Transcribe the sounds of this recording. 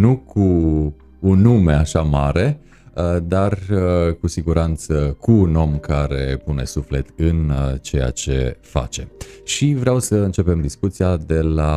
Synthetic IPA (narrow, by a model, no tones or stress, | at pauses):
nukʰuː | nːume̞aʃamaɾe̞ | d̪arkusiɡuɾant̪səkuːno̞mkaɾe̞̰pune̞sufle̞t̪ɨnt͡ʃe̞ja̰t͡ʃe̞̰fa̰t͡ʃe̞ʃivɾeawsəɨnt͡ʃe̞pe̞md̪iskut̪sijad̪e̞la